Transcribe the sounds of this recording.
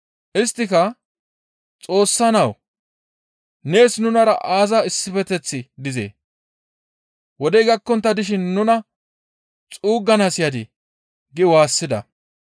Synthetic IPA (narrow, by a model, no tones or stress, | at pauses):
ʔɪst̪ːɪkɐ | t͡sʼo̞ːsːɐnɐw | ne̞ːsnʊnɐɾɐ̰ʔaːzɐɪsːɪfɛt̪ɛt͡sːɪd̪ɪzḛː | wɔd̪ɛjɡɐkːɔnt̪ːɐd̪ɪʃ̬ɪnːʊnɐ | t͡sʼuːɡːɐnasɪjɐd̪ɪ | ɡɪwaːsːɪd̪ɐ̰